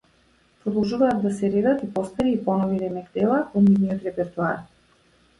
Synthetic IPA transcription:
pɾɔd̪ɔlˠʒuvaːt̪̚d̪asɛɾɛd̪at̪ipɔst̪aɾiːpɔnɔviɾɛmɛɡd̪ɛlˠavɔnivnijɔt̪ɾɛpɛɾt̪uaɾ

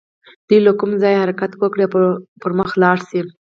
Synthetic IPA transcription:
d̪̥ujlakumzɑjhaɾakat̪wəkɽepəɾməxlɑɽsi

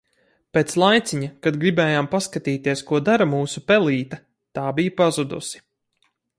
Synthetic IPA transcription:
peːt̪slˠajt̪siɲakad̪ɡɾibɛːjaːmpaskat̪iːt̪iɛskuɔd̪aɾamuːsupɛlˠiːt̪ɐ | t̪aːbijpazud̪ṵsi̥

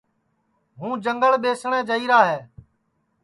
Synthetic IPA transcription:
ɦũːd͡ʒəŋɡəɭɓeːsɳ̃ɛ̃ːd͡ʒəiːɾaːɦɛː

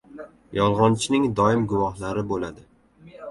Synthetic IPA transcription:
jɒlˠʁɒnt͡ʃʰɪnɪŋd̪ɒɪmɡʊwɒhlaɾɪbolad̪ɪ

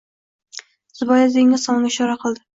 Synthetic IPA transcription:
z̥ɪbɒjazeŋnɪsɒŋlʲaɪʃɒɾaqʰɨlˠd̪ɪ

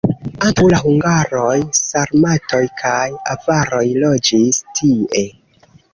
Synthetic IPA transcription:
aŋkawlaɦuŋɡaɾo̞jsaɾmatʰo̞jkʰajavaɾo̞jlo̞d͡ʒistʰie̞

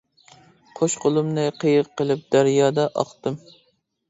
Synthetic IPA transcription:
qʰoʃqʰʊlˠumnɨqʰəjɨqːəlˠɨp̚d̪̥æɾjɑːd̪ɑʔɑχt̪ɨm

